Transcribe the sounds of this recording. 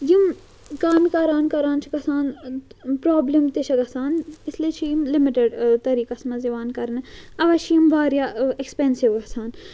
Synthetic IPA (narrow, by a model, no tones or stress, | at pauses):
jim | kaːmikɐɾaːnkɐɾaːnt͡ʃʰikɐsaːnpɾaːblimt̪eʃʰɐɡɐsaːnisliːt͡ʃʰijimlimiʈeɖt̪ɐɾiːkɐsmɐziʋaːnkɐɾnɨɐʋɐt͡ʃʰijimʋaːɾjaekspensiʋɡɐsʰaːn